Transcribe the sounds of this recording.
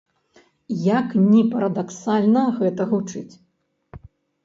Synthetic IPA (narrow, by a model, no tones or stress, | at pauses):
jɐknʲipɐɾɐd̪aksalʲnɐɣɛt̪ɐɣut͡ʂɨt͡sʲ